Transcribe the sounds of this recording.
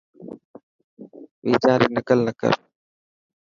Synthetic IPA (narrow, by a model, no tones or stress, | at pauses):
ʋiːt͡ʃaːɾiːnəkəlnəkə̰ɾ